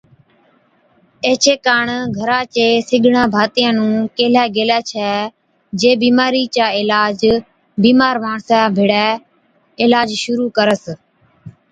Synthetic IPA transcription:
eːt͡ʃʰeːkaːɳɡʱəɾãːt͡ʃeːsɪɡʱɳãːbʱaːt̪ɪjãːnũːkeːlɛːɡeːlɛːt͡ʃʰɛː | d͡ʒeːbiːmaːɾiːt͡ʃaːɪlaːd͡ʒ | biːmaːɾʋaːɳsãːbʱɪɽɛː | ɪlaːd͡ʒʃʊɾuːkəɾəs

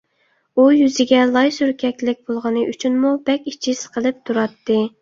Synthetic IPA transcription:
ujyzɪɡʲɛlˠɑjsyɾkʲʰɛkʲlɪk̚ʲb̥olˠʁɑnɨʔyt͡ʃʰynmubɛkʲit͡ʃʰisqʰəlˠɨp̚t̪ʰuɾɑt̪ːɨ

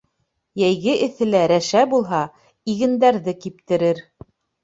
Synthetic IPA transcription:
jæjɣɘʔɘ̆θɘ̆læɾæʃæbulˠɦɑ | iɣɘ̆nd̪æɾðɘkip̚t̪ɘ̆ɾɘɾ

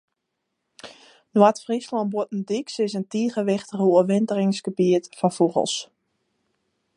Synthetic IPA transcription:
nwatfrislɔnbotn̩diksɪsəntiːχəʋɪxtəɣəuəʋɪntərɪŋsɡ̥əbiətfɔnfuɣə̰lˠs

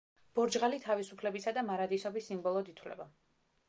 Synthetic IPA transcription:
b̥ɔɾd͡ʒʁalit̪ʰavisupʰlɛbisad̪amaɾad̪isɔbisːimbɔlˠɔd̪it̪ʰwlɛ̰ba

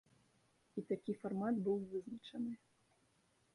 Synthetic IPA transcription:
it̪akʲifarmat̪bɨwvɨznɐt͡ʂɐnɨ

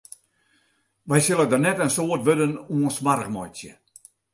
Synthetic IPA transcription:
ʋɛjsɪlˠədənɛtənsoərtʋødənuənsmaɾəxmɔjsjə̰

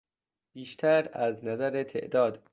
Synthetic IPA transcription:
b̥iːʃt̪ʰæɾæznæzæɾet̪ʰḛʔd̪ɒːd̪

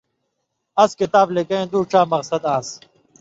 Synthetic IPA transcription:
ɐskɪt̪aːblekɐ̃ẽːd̪uːʈ͡ʂaːmɐɣsɐd̪aːs

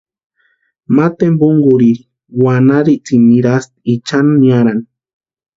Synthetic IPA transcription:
mat̪embuŋɡuɾi | wanaɾit͡simiɾast̪̚it͡ʃananiaɾani

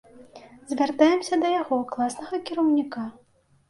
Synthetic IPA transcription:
zʲvʲart̪ajɛmsʲɐd̪ɐjaɣɔklˠasnɐɣɐkʲiɾɐwnʲika

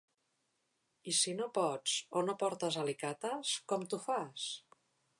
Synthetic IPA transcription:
isinopɔt͡sonopɔɾt̪əzalikat̪əskɔmt̪ufas

